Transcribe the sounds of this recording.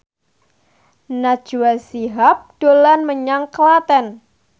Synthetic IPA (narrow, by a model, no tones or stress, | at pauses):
nad̥ʒ̥uwasiɦap̚d̥olanməɲaŋkəlat̪ɛn